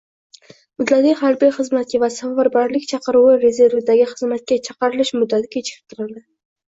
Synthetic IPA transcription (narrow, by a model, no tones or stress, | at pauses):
mʊd̪lat̪ɪhaɾbijχɨzmat̪̚kʲavasafaɾbaɾlɪkʲt͡ʃʰɑqɨɾuwɪɾe̞ze̞ɾvɪd̪aɡʲɪχɨzmat̪̚kʲat͡ʃʰɑqɨɾɪlɪʃmʊd̪ːat̪ʰɪ̥kʲʰet͡ʃʰɪ̥kʰɪ̥p̚t̪ʰʊɾɪld̪ɪ